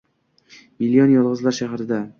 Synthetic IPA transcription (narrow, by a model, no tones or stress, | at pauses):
milijɒnjɒlˠʁɨzlaɾʃaɦɾɪd̪a